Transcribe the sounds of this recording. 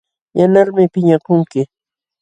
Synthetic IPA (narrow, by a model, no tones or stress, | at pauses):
janaɾmɪpɪɲakʊŋkɪ